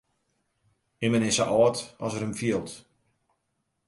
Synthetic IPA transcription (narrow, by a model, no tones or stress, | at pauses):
ɪmənɪsə̰ʔɔːtɔsəɾəmfiəlˠt